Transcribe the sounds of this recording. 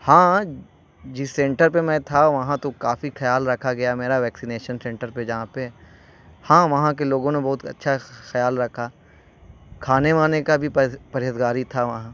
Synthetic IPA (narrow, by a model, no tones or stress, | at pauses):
hãː | d͡ʒɪsːẽːɳʈəɾpemɛ̃t̪ʰaʋɐɦãt̪okaːfixɐjaːlɾɐkʰaɡɐjameːɾaʋɛːksineːʃənsɛ̃ːɳʈəɾped͡ʒɐɦãpe | hãːʋɐɦãk̬eloːɡõnebɐɦʊt̪ɐ̰tːʃʰaxɐjaːlɾɐkʰaː | kʰaːneʋaːnekabʱippɐɾɪːət̪ɡaːɾit̪ʰaʋɐɦã